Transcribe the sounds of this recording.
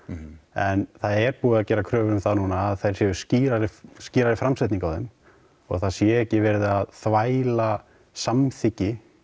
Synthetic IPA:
ɛnθaðɛɾpuːaðcɛːɾakʰɾœːvʏɾʏmθaðnuːnaːðθejɾ̥sjɛʏ̥sciːɾaɾɪsciːɾaɾɪfɾamsajt̪niŋkawðɛm | ɔ̰ɣθaðsjɛɛhcɪvɛɾðɪaðθvaːjla | samθɪcɪ

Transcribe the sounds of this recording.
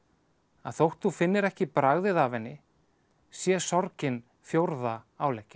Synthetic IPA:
aðθowht̪θufɪnːɪɾɛhcɪpɾaɣðɪðaːvɛnːɪ | sjɛsɔɾcɪn | fjowɾðaaːwlejhcɪ̥

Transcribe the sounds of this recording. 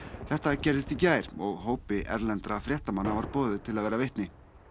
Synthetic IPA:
θɛht̪acɛɾðɪst̪icaːjɾ̥ɔɣɦoːwpɪʔɛ̰ɾlɛnt̪ɾafɾjɛːht̪amanːavaɾpɔːðɪt̪ʰɪlaðvɛːɾaveht̪nɪ

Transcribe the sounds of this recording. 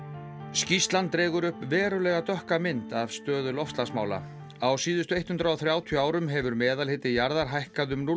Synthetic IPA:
scist̪lant̪ːɾɛːɣʏɾʏhpvɛːɾʏlɛɣat̪œhkamɪnt̪av̥st̪œːðʏlɔfst̪lasma̰ːwla̰ | awsiːðʏst̪ʏejt̪hʏnt̪ɾaɔθɾjaːwt̪ʰjœaːwɾʏmɦɛvʏɾmɛːðalhɪt̪ɪjaɾðaɾ̥ɦajhkaðʏmnu

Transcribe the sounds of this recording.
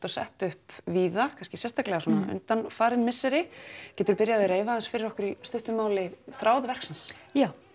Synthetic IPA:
t̪asɛ̰ht̪ʏhpviːðakʰanscɪsjɛst̪aklɛɣasɔːna̰ʔʏ̰nt̪anfaːɾɪnmɪsːɛɾɪcɛːt̪ʏɾpɪɾjaðɪɾeːjvaðɛnsfɪɾɪɾɔkʏɾist̪ʏht̪ʏmaːwlɪθɾaːwðvɛr̥ksansjaːw

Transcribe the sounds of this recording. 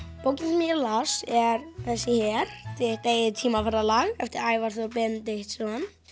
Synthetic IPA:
powc̬ɪnmiɛɾlasɛɾθɛsːɪçɛɾt̪ɪht̪eːjðɪt̪ʰiːmafaɾðalaɣɛft̪ɪɾaːjvaɾ̥θɔpɪnt̪ɪht̪sɔanː

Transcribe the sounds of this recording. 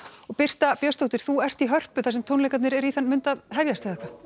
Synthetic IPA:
ɔɣpɪr̥t̪apjœst̪owt̪ɪɾ̥θuɛr̥t̪iɦœr̥pʏθasɛmt̪ʰownlejkat̪nɪɾɛɾiθanːmʏnt̪aðɦɛvjast̪ɪθɛhkʰva

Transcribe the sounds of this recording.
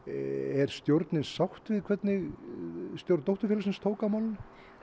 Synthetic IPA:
ɛɾ̥st̪jowɾt̪nɪnsawht̪vɪðkʰvɛt̪nɪɣ | st̪jowɾt̪owht̪ʏɾfɛlsɪnst̪ʰoːwkamawln

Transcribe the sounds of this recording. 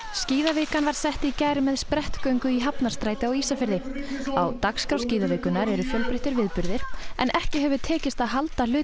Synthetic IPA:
sciːðavɪːkanvaɾ̥sɛht̪icajɾɪmɛðspɾɛht̪kœɥŋkʏiɦapnaɾst̪ɾaːjt̪ɪawiːsafɪɾðɪawt̪akskɾawsciːðavɪːkʏnaɾɛɾʏfjœlpɾɪht̪ɪɾvɪðpʏɾðɪɾ̥ɛ̰nʔɛhcɪɦɛvʏt̪ʰɛːcɪst̪aðɦalt̪alʏː

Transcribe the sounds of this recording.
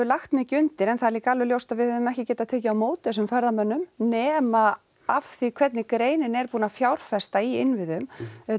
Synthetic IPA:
vʏlaxt̪mɪːcʏnt̪ɪɾɛnθaliːkaaːlvɪljowst̪aðvɪðhœðʏmɛhcɪcɛːt̪at̪ʰɛːcɪawmoːwt̪ɛsʏmfɛɾðamœnːʏmnɛːma | afθikʰvɛt̪̚nɪkɾeːjnɪnɛɾpuːnafjawɾ̥fɛst̪aiɪnvɪðʏm

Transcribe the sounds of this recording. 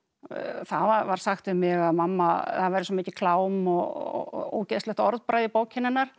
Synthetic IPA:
θavavaɾ̥saxt̪ʏmɪɣaðmamːaθaðvajɾʏsɔmiːcɪkʰlaːwmɔɣ̰o̰wcɛst̪lɛht̪ɔɾðpɾajðɪpoːwcʰɪnːɪnːaɾ̥

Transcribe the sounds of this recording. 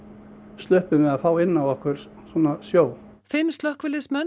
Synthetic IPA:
st̪lʏhpʏmɛðafaːwɪnːawɔhkvɛɾ̥ | swɔːnasjoːw | fɪmst̪lœhkvɪlɪsmɛn

